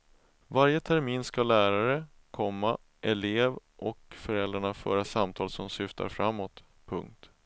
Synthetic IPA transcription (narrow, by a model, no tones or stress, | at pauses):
vaɾjət̪ʰæɾmiːnskalæːɾaɾə | kʰɔmːa | ʔɛleːvʔɔkfœɾɛld̪ɾaɳafœ̰ːɾasamt̪ʰɑːlsɔmsʏft̪ʰa̰ɾfɾamːɔt̪ | pʰɵ̰ŋk̚t̪